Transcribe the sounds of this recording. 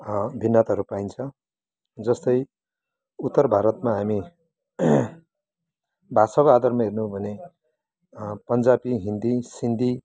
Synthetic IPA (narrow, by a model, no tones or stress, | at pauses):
bʱinːʌt̪ɦʌɾupaint͡sʰʌ̃ | d͡zʌst̪ʌj | ut̪ːʌrbʱaɾʌt̪maɦami | bʱasʌkad̪ʌrmaɦernubʱʌne | pʌnd͡zabiɦind̪isind̪ʱi